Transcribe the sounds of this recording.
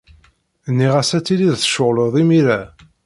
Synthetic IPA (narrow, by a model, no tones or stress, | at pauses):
nːiʁæsæt͡sːiliðθə̥ʃəʁləðˤimiɾæ